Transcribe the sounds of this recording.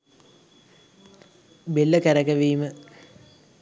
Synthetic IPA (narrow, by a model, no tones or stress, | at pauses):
belːəkæɾɐkɐʋiːmə